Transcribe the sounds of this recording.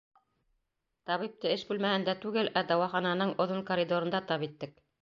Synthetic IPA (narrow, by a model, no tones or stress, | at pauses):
t̪ɑβip̚t̪ɤɘʃbʉlmæhɘnd̪æt̪ʉɡɘlʔæd̪ɑwɑχɑnɑnɤɴŏðoŋkoɾʲid̪oɾɤ̆nd̪ɑt̪ɑpit̪ːɘk̚